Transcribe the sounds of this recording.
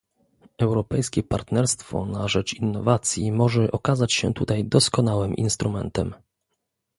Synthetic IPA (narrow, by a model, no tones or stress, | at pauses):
ɛwɾɔpɛjskʲɛpaɾt̪nɛɾst̪fɔ̰naʐɛt͡ʂinːɔvat̪sʲjimɔʐɛʔɔkazat͡ɕɕɛ̰t̪ut̪ajd̪ɔskɔnawɘmʔḭnst̪ɾumɛ̰nt̪ɛm